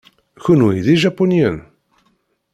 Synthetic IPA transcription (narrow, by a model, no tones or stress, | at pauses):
çunwiðiʒapunjən